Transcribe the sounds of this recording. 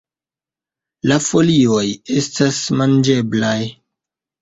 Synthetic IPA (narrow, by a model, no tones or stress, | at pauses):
lafo̞lio̞je̞stasmand͡ʒe̞blaj